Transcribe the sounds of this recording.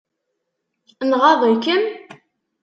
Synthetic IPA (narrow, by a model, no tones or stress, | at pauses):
nʁɑðˤəkːən